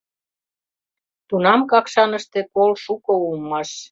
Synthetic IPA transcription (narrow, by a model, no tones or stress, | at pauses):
t̪unɑmkɑkʃɑnə̆ʃt̪ekolʃukoulmːɑʃ